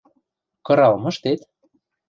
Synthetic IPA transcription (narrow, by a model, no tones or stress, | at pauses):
kɤ̆ɾɑlmɤ̆ʃt̪et̪